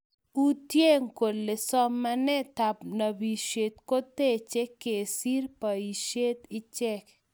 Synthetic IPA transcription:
u˦t̪je˦ŋko˨lːe˨sɔ˦mːa˦nɛ˦t̪a˨pna˨bi˨ʃe˨t̪ko˦t̪e˦˨t͡ʃe˦kːe˨si˦ɾpa˨i˨ʃe˦t̪ɪ˦t͡ʃɛ˦k

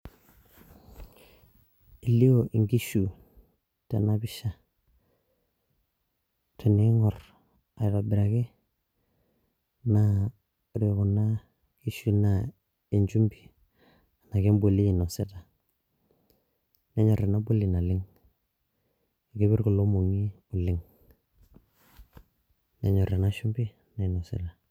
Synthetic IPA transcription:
i˨li˦o˦ʔi˨ŋɡi˦ʃu˨ | te˨na˦bi˦ʃa˨ | tʰe˨ne˨˦ŋɔ˨r | a˨i˨ɾa˨bɪ˨ɾa˨ke˦ | na˨ | ɾi˨ku˨na˦ | ki˦ʃu˦na˨ | i˨nd͡ʒu˦mbi̥˨ | na˨ke˦mbo˨li˦i˨nɔ˨se˦ta˨ | ne˦ɲɔ˨ɾe˨na˦bu˦lɪ˨na˨lɪ˦ŋ | a˨ɡi˦bɪ˦ɾku˨lo˦mo˨ŋi˦ | ʊ˨lɪ˦ŋ | ne˨˦ɲɔ˨ɾe˨na˦ʃu˦mbi˦ | na˨ɪ˨nɔ˨sḛ˦ta˨

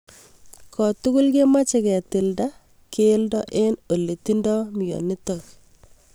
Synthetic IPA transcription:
kɔ˨tʊ˦kʊ˦lɡe˦ma˦t͡ʃe˨kɛ˨tɪ˨lda˦ | ke˦ldɔ˦ʔe˦no˨le˨ti˦ndɔ˦m˨jo̰˨ni˦tɔ˨k

